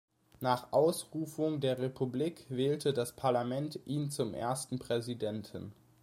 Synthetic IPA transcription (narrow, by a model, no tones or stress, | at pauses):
naːχʔaʊsʁuːfʊŋdeːɐʁepʰubliːkv̥ɛːltʰədaspʰaɐlamɛntʔiːnt͡sʊmʔḛːɐstn̩pʁ̥ɛzidɛntʰn̩